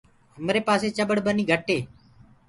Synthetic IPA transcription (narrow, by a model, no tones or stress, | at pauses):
ɦəmɾeːpaːseːt͡ʃəɓəɽbəniːɡʱəʈeː